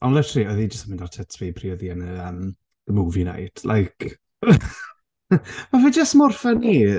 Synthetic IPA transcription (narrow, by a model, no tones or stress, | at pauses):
ʔɔnlˠətʰriɔðid͡ʒəstamɪndartʰɛtʰviːpʰriɔðiənəəm | ðəmuːvina̰jd̥lʔa̰jkʰ | mavid͡ʒəstmɔrfɛni